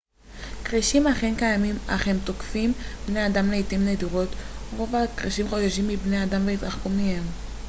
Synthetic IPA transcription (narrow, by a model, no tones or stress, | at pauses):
kʁiʃimaχenkajamima̰χemt̪okfimbne̞adamleitimnediʁo̞t̪ʁo̞vakʁiʃimχoʃaʃimːibne̞adamveit̪ʁaχkumihem